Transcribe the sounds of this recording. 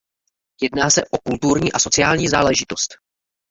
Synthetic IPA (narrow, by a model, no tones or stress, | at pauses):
jɛdnaːsɛʔo̞kult̪uɾɲiːʔaso̞t͡sɪaːlɲiːza̰ːlɛʒɪt̪o̞st̪